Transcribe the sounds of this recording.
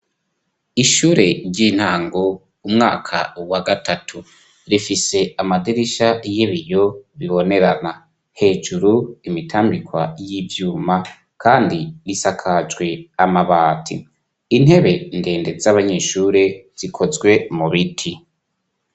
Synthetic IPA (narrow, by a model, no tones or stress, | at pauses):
iʃuːɾe̞ɾɟin̥haːŋɡo | umŋa̰ːkʰa̰waɡatʰatʰu | ɾifise̞amadiɾiʃajeβijo̞βiβo̞ne̞ɾana | he̞ːd͡ʒuɾuimitʰaːmbikwa̰jivjuːma | kʰaːndiɾisakʰad͡ʒɡwe̞amaβaːtʰi | in̥he̞βe̞nde̞ːnde̞zaβaɲe̞ːʃuːɾe̞z̥ikʰo̞zɡwe̞muβitʰi